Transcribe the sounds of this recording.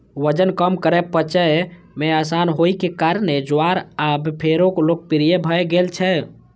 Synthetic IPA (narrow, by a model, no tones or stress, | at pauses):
wəd͡ʒənkəmkəɾɛpət͡ʃəj | measanɦojkekaɾned͡ʒoaɾabpʰeɾoklok̚piɾijebʱəeɡelt͡ʃʰɛ